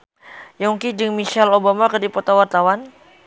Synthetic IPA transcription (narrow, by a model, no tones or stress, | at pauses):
jɔŋkid͡ʒəŋmiʃalobamakərdipɔt̪awart̪awan